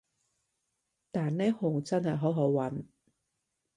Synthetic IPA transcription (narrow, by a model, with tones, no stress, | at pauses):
t̪aː˨nneː˥hʊ˨˩ŋt͡sɐ˥nhɐ˨˩jɦo˨˥wɦo˨˥wwɐ˨˥n